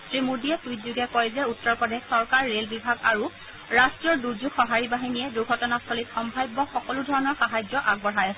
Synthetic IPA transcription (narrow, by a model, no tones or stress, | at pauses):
tɹimudijɛtujzuɡɛkojzɛutːɔɹpɔdexsɔɹkaɹːelbibʱaɡaɹu | ɹastɹijɔɹduɹzuɡxɔɦaɹibaɦinijɛduɹɡʱɔtɔnastʰɔlitxɔmbʱajbːɔxɔkɔludʱɔɹɔnɔɹxaɦad͡ʒɔʔaɡ̚bɔɹajasɛ